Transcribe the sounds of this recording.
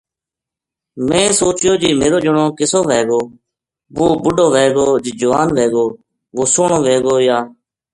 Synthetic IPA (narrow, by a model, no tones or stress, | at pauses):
mẽːsoːt͡ʃjoːd͡ʒiːmeːɾoːd͡ʒʊɳõːkɪsoːʋeːɡoː | ʋoːbʊɖoːʋeːɡoːd͡ʒiːd͡ʒəʋaːnʋeːɡoː | ʋoːsoːɳõːʋeːɡoːjaː